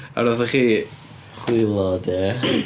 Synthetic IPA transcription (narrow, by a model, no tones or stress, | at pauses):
a̰ɾɔðəχiː | χwɪlˠɔdɛ